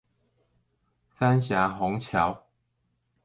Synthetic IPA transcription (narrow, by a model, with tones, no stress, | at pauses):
sa˦nɕja˨˦ɦɔ˨˦ŋt͡ɕʰja˨˦w